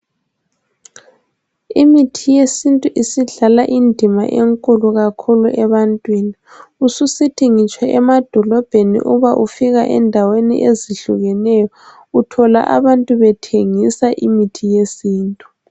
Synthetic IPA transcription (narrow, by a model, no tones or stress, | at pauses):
imitʰijesintʼuʔisiɮalaʔindʱima̰ʔeŋkʼuluɣakʰuluʔɛβantʼwini | ususitʰʼiŋit͡ʃʼwɛɛmad̥ʱɔlɔb̥ʱenḭʔuβaʔufiɣa̰ʔɛ̰ndʱawenḭʔeziɬuɣɛnɛjɔ | utʰɔla̰ʔa̰βantʼuβɛtʰeŋisaʔimitʰijesiːntʼu̥